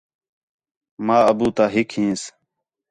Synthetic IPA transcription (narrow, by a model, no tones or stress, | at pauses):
maːəbuːt̪aːɦɪkɦĩːs